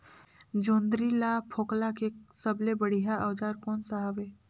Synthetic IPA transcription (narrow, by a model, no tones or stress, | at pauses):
d͡ʒõːnd̪ɾilapʰoːklakesɐblebɐɽ̤iɦaʔɐːd͡ʒaːɾkɔːnsaɦaʋeː